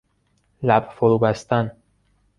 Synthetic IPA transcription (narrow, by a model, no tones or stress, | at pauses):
læbfoɾuːbæst̪æn